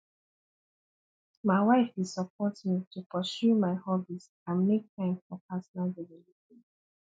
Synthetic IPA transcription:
maɪwaɪfi̥sɔp̚ʰɔtmitʰupʰɔʃjumaɪhɔbis | ãnmek̚tʰãɪ̃mfɔpasɔnalɹɛvɔliti

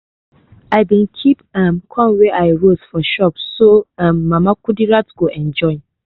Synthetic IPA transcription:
aɪbĩnkʰipãmkʰɔ̃nwɛʔaɪɹosfɔʃɔpsoãmːamakudiɹatɡ̥oʔɛ̃nd͡ʒɔɪn

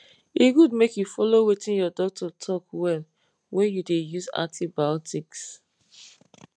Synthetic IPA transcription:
iɡud̚mekjufɔlowetĩnjɔdɔk̚tʰɔtʰɔkwɛl | wʔɛ̃njudejuzã̰tʰibaɔtʰiks

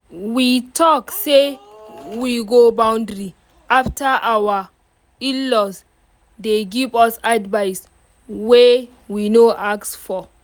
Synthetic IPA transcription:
witʰɔkse | wiɡobãw̃ndɹi | ʔaftʰaʔawa | ilɔs | deɡivɔsadvajs | we | winoʔaksfɔ

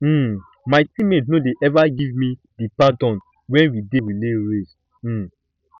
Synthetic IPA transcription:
maɪtĩmetnodeʔɛvaɡivmĩ | dipadɔ̃n | wɛ̃nwidewileɹes̩

